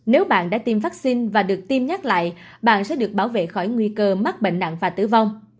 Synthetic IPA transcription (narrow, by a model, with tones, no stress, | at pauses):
ne˨˦wɓa̰ː˧˨nɗa̰ː˧˥t̪i˧mvaː˦˥k̚si˧nvaː˨˩ɗɨ˨˩ək̚t̪i˧mɲa˦˥k̚la̰ː˧˨j | ɓa̰ː˧˨nsɛ̰˧˥ɗɨ˨˩ək̚ɓaː˧˩wvḛ˧˨xɔ˧˩jŋwi˧kəː˧ma˦˥t̚ɓḛ˧˨ŋ̟ɗa̰˧˨ŋvaː˨˩t̪ɨ̰˧˩va˧wŋ͡m